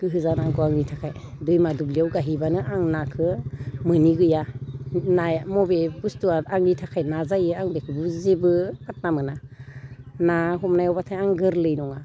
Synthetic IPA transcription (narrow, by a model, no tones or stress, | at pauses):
ɡ̥ɯɦɯzanaɡɔaŋnitʰakʰajdɯjmadublijawɡaɦibanɯʔaŋnakʰɯmɯniɡɯjanajmɔbebustuaaŋnitʰakʰajnazajɯaŋbekʰɯbɯzebɯat̚namɯna | naɦɔmnajɔwbatʰajaŋɡɯɾlɯjnɔŋa